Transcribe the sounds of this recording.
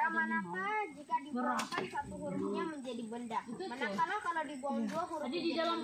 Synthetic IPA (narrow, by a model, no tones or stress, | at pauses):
amanapad͡ʒikadibəɾakansat̪uɦuɾumɲaməɲd͡ʒadibəndamanakanakalawdibuaŋduaɦuɾaddidala